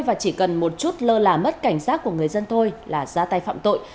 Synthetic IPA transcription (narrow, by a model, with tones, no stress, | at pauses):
jvaː˨˩t͡ɕi˧˩kə˨˩nmo˨˩t̚t͡ɕu˦˥t̚ləː˧laː˨˩mə˦˥t̚ka˧˩jŋ̟saː˦˥t̚ku˧˩əŋɨ˨˩əjzə˧nt̪ʰo˧jlaː˨˩zaː˧t̪a˧jfa̰ː˧˨mt̪o̰˧˨j